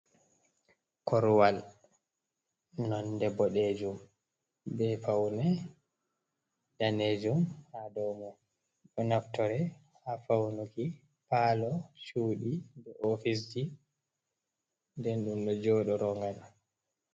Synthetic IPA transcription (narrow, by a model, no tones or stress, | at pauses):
kɔɾwal | nɔndɛbɔɗed͡ʒum | bɛfawnɛ | d̥aned͡ʒumhadɔmɔ | ɗɔnaftɔɾɛ | hafawnuki | paːlɔʃuːɗibɛʔɔfis̬d͡ʒi | ndɛnɗumɗɔd͡ʒɔːɗɔɾɔŋɡaɗa